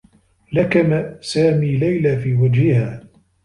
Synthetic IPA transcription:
lakamasaːmiːlajlaːfiːwad͡ʒhɪhaː

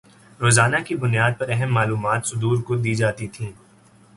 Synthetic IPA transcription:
ɾoːzaːnakibʊnjaːd̪̚pɐɾɛɦɛmːaːluːmaːt̪sʊd̪uːɾkod̪iːd͡ʒaːt̪it̪ʰĩː

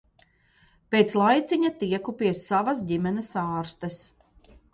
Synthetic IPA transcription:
peːt̪slˠajt̪sʲiɲat̪iɛkupiɛsːavɐsdimʲɛnɛsaːɾst̪ɐs

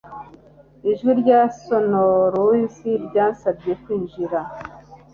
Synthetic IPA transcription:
iʒwiɾɟaso̞noɾoiziɾɟaːnsab̚ɟe̞kwiːɲʒiɾa

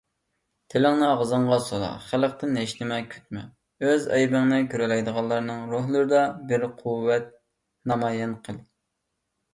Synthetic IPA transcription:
t̪ʰɪlɪŋnɨɑʁzɨɴʁɑsolˠɑ̰χælq̚t̪ɪnɛʃlɪmɛkʲʰø̥t̪̚mɛ̰ | øzɑ̰jbɨŋnɪkʲʰøɾɛlɛjd̪əʁɑlˠːɑɾnɨŋɾoɦlˠɨɾɨd̪ɑbɪɾqʰuwːɛt̪̚ | nɑmɑjɛnqʰəlˠ

